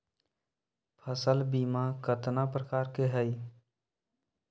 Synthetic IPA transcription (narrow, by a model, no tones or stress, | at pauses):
pʰəsəlbiːmakət̪napɾəkaːɾkeɦɛi